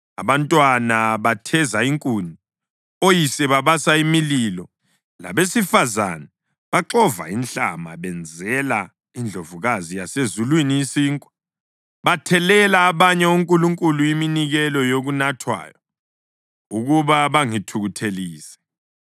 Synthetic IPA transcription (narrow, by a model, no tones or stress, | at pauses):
a̰βantʼwanaβatʰɛzaiŋkʼuːni | ojisɛβaβasaimililɔ | la̰βesifaza̰na | βaǁɔva̰inɬa̰ma̰βɛnd͡zʱɛla | ind͡ɮʱovuɣazijasezulwinijisiːŋkʼwa | βatʰɛlɛlaːβaɲɛuŋkʼuluŋkʼuluiminiɣɛlɔjoɣunatʰwa̰ːjɔ | uɣuβaβaŋitʰuɣutʰeliːsɛ̥